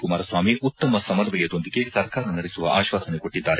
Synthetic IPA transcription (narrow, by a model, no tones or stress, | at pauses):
kumaːɾɐsʋaːmiut̪ːɐmɐsɐmɐɾʋɐjɐd̪o̞nd̪iɡe̞sɐɾkaːɾɐnɐɾesuʋɐ̰ʔa̰ːʃʋaːsɐneko̞ʈːid̪ːaːɾe